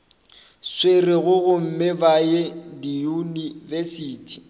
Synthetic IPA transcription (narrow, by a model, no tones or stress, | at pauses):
swerɪɣʊɣʊm̩mɪbajedijunivesiːtʰi̥